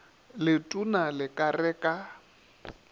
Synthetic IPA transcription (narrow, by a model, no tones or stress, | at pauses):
lɪtʼunalɪkʼarɛːkʼa